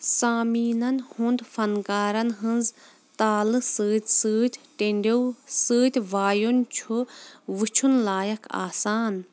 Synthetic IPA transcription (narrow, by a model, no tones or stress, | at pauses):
saːmiːnɐnhund̪fʰɐnkaːɾɐnɦɨnz | t̪aːlɨsɨːt̪ʲsɨːt̪ʲʈeɳɖewsɨːt̪ʲʋaːjunt͡ʃʰuʋɨt͡ʃʰunlaːjɐkʰa̰ːsaːn